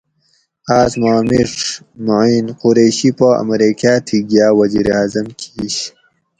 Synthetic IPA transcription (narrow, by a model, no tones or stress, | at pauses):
aːzmaːmiʂ | moinquɾeːɕipoɐ̰mɾikaːt̪ʰiɡjaːwɐzḭːɾaːzɐmkʰiːɕ